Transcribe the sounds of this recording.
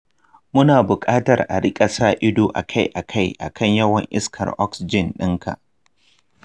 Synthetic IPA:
mʊ˦naː˨bʊ˨kʼaː˦tɐ˨rʔa̰˨ɽɪ˦kʼɐ˨saː˦ʔɪ˦doː˨ʔa̰˨kʰa˦jʔa˨kʰa˦˨jʔa̰˨kʰɐ˦ɲjɐ˦wɐ˨ŋʔɪ˦skʰɐ̰˨rʔɔ˦ksɪ˨d͡ʒɪ˨nɗɪ˦ŋkʰa̰˨ʔ

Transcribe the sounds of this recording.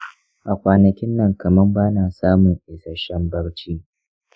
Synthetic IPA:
ʔa˨kʷaː˨nɐ˨kʲɪ˦nːɐ˨ŋkɐ˨mɐ˦rbaː˦naː˨saː˦mʊ˨ŋʔɪ˨sɐ˨ʃɐ˦mbɐ˦ɽt͡ʃiː˦

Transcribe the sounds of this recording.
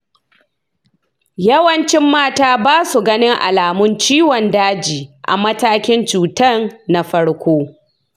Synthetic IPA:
jɐ˦wɐ˦nt͡ʃɪ˦mːaː˦taː˦baː˦su˨ɡɐ˦nɪ˦ŋʔa̰˨laː˨mʊ˦nt͡ʃiː˦wɔ˨ndaː˦d͡ʒiː˨ʔa̰˨mɐ˦taː˦kʲɪ˦nt͡ʃuː˨tɐ˦nna˨ɸɐ˦ɽkʷoː˦

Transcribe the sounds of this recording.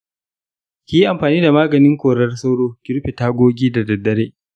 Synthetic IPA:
kʲiː˦ji˦ʔa˨mɸaː˨niː˦da˨maː˦ɡɐ˨nɪ˦ŋkʷoː˨ɽɐ˦rsɐ˦wɽoː˦kʲɪ˦ɾɸe˨taː˦ɡʷoː˦ɡʲiː˦dɐ˨dɐ˨dːɐ˦ɾeː˦ʔ

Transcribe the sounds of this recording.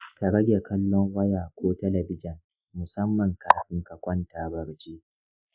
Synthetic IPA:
ka˨ɽɐ˦ɡʲe˨kɐ˦lːɔ˦ŋwɐ˦jaː˨kʷoː˦tɐ˦lɐ˨bɪ˦d͡ʒɪ˨n | mʊ˨sɐ˦mːɐ˨ŋkaː˨ɸɪ˦ŋkɐ˨kʷɔ˦ntaː˨bɐ˨ɽt͡ʃiː˦

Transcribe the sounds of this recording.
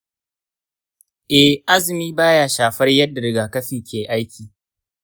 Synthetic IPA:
ʔɛ˨hʔa˦zɪ˨miː˦baː˦jaː˦ʃaː˨ɸɐ˦rjɐ˦dːa˨ɽɪ˨ɡaː˨kɐ˦ɸɪ˨ŋkʲeː˨ʔa˦jkʲiː˨

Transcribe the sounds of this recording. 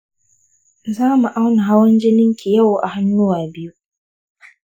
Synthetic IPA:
zaː˦mu˨ʔa˦wna˨ɦa˦wɐ˦nd͡ʒɪ˦nɪ˦ŋkʲi˨jɐ˦˨wʔa̰˨ha˦nːʊː˦waː˨bɪ˦ju˦

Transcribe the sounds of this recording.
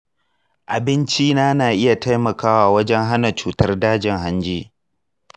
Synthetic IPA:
ʔa˨bɪ˦nt͡ʃiː˦naː˦naː˨ʔɪ˦ja˨ta˦jmɐ˨kaː˦waː˨wɐ˦d͡ʒɛ˦ŋɦa˦na˨t͡ʃuː˨tɐ˦rdaː˦d͡ʒɪ˨ŋɦa˦nd͡ʒiː˦

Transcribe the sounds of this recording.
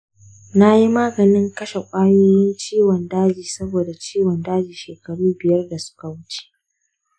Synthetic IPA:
na˦ji˦maː˦ɡɐ˨nɪ˦ŋkɐ˦ʃe˨kʷʼaː˦joː˦jɪ˦nt͡ʃiː˦wɔ˨ndaː˦d͡ʒiː˨sɐ˦boː˨da˨t͡ʃiː˦wɔ˨ndaː˦d͡ʒiː˨ʃeː˨kɐ˨ɽuː˦bɪ˨jɐ˦rda˨sʊ̥˦ka˨wʊ˦t͡ʃe̥˦ʔ

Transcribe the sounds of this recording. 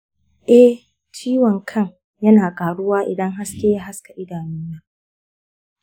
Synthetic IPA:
ʔɛ˦ | t͡ʃiː˦wɔ˨ŋkʰɐ˦ŋ | jɐ˦naː˨kʼaː˨ɽʊ˦waː˦ʔɪ̰˨dɐ˦ŋɦa˦skʲeː˦ja˦ɦa˦ska˨ʔɪ˦daː˨nuː˦naː˦

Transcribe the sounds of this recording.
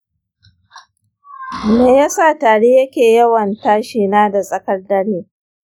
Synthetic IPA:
meː˨jaː˦sa˦˨taː˨ɽeː˦jɐ˦kʲeː˨jɐ˦wɐ˨ntaː˦ʃiː˨naː˦da˨sʼɐ˨kɐ˦dɐ˦ɽiː˦

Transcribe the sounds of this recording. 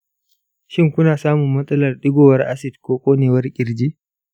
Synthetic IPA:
ʃɪ˦ŋkʷʊ˦naː˨saː˦mʊ˨mːɐ˦sʼɐ˦lɐ˨rɗɪ˦ɡʷoː˨wɐ˦rʔa˦sɪ˨dkʷoː˦kʷʼoː˦neː˨wɐ˦rkʲʼɪ˨ɾd͡ʒiː˦

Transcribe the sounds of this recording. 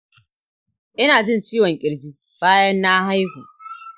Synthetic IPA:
ʔɪ˦naː˨d͡ʒɪ˦nt͡ʃiː˦wɔ˨ŋkʲʼɪ˨ɽd͡ʒiː˦ | b̥aː˦jɐ˦nːa˦ɦa˦jhuː˨

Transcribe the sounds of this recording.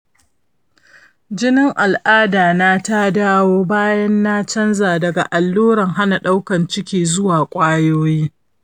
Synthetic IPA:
d͡ʒɪ˦nɪ˦ŋʔa˨lʔaː˦daː˨na˦ta˦daː˦woː˦baː˦jɐ˦nːa˦t͡ʃɐ˦nzaː˨dɐ˨ɡa˨ʔa˨lːuː˦ɾɐ˨ŋɦa˦na˨ɗa˦wkɐ˨nt͡ʃɪ˦kʲiː˨zʊ˦waː˨kʷʼaː˦joː˦jiː˦

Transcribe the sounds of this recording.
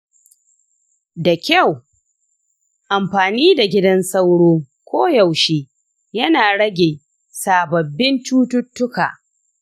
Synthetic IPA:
da˨kʲɐ˦˨w | ʔa˨mɸaː˨niː˦da˨ɡʲɪ˦dɐ˦nsɐ˦wɽoː˦ | kʷoː˦ja˨wʃeː˦ | jɐ˦naː˨ɽɐ˦ɡʲeː˨ | saː˨bɐ˨bːɪ˦nt͡ʃuː˦tʊ˦tːʊ˦ka̰ː˨

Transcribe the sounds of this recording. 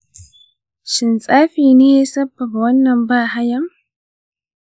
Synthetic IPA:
ʃɪ˨nsʼaː˦ɸiː˨neː˦ja˦sɐ˦bːɐ˨ba˨wɐ˦nːɐ˨mbaː˦˨ɦa˦jɐ˦˨m

